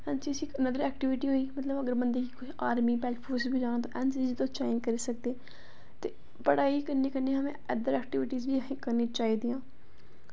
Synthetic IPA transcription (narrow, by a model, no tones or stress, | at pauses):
ɛ̃ːnt͡ʃiəsĩːkənəd̪əɾɛːk̚ʈɪʋɪʈiːɦoːiːmət̪ləbəɡəɾbənd̪eːkikʊiaːɾmiːbɛːlpʰoːɾsbiːd͡ʒaːnaːt̪õːʔɛ̃nsiːzt̪õːt͡ʃaːɪnd͡ʒkəɾiːsək̚d̪eː | t̪ḛː | pəɽaːiːkəɾniːkəɾneːɦəmḛ̃əd̪əɾɛːk̚ʈɪʋɪʈiːzʋiːəsĩːkəɾniːt͡ʃaːɦiːd̪iːãː